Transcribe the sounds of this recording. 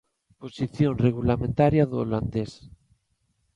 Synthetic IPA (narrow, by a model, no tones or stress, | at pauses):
posiθjonreɣ̞ulamẽnt̪aɾjaðooland̪es